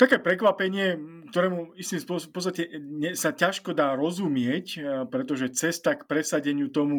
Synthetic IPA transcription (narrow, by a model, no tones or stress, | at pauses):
t̪akɛːpɾɛkʋapɛɲɪɛk̚t̪ɔɾɛːmuist̪iːmspʊɔspɔst̪acɛɲɛsacaʃkɔd̪aːɾɔzumɪɛcpɾɛt̪ɔʒɛt͡sɛst̪akpɾɛsaɟɛɲɪut̪ɔmu